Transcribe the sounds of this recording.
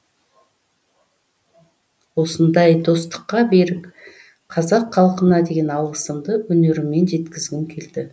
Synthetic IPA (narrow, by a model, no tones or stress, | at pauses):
wo̞sənd̪ɑjd̪o̞st̪ə̥qːɑbe̞ɾɪk | qʰɑzɑqʰːɑlˠqənɑd̪e̞ɡʲe̞nɑlˠʁəsəmd̪əwɵne̞ɾɪmːe̞nʒe̞t̪kʲɪzɡʲɪŋkʲʰe̞ld̪ɪ